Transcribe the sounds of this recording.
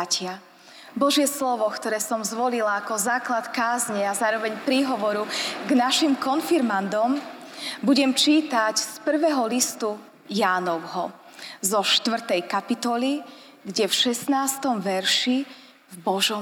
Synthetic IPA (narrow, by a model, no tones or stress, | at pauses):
cɪa | bɔʒɪɛslɔʋɔkt̪ɔɾɛːsɔmzʋɔlilaːkɔzaːklat̪kaːzɲɛazaːɾɔʋɛɲpɾiɦɔʋɔɾuɡnaʃimkɔnfiɾmand̪ɔm | buɟɛmt͡ʃiːt̪acspr̩ʋɛːɦɔlist̪u | jaːnɔʊɦɔ | zɔʃt̪ʋr̩t̪ɛjkapit̪ɔli | ɡɟɛfʃɛsnaːst̪ɔmʋɛɾʃi | vbɔʒɔ